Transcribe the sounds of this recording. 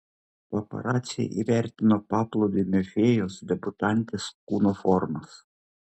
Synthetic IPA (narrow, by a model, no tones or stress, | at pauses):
pɐpɐ̰ɾɑːt̪sʲɪjɛ̰ʔḭːʋʲæɾʲt̪ʲɪnopɑːplˠɔʊd̪ʲɪmʲɛfʲeːjoːsd̪ʲɛbʊt̪ɑˑnʲt̪ʲeːskuːnofɔɾmɐs